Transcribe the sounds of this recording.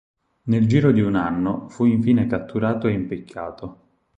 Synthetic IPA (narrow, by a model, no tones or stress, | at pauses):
neld͡ʒiːɾod̪iunanːofuiɱfiːnekat̪ʰːuɾaːt̪oeimpikʰːaːt̪o